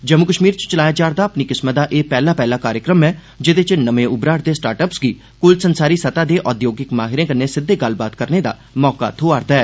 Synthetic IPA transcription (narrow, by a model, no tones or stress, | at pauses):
d͡ʒəmʊkəʃmiːɾt͡ʃt͡ʃəlaːjaːd͡ʒaːɾd̪aːəpniːkɪsmət̪̚d̪aːʔeːpɛːlaːpɛːlaːkaːɾjəkɾəmɛː | d͡ʒɪd̪eːt͡ʃnəmẽːʊbɾaːɾd̪eːsʈaːɾʈəpsɡiː | kʊlsənsaːɾiːsət̪aːd̪eːʔɔːd̪joːɡɪkmaːɦɪɾẽːkənːeːsɪd̪ːeːɡəlbaːt̪kəɾneːd̪a̰ː | mɔːka̰t̪ʰoːaːɾd̪aːɛː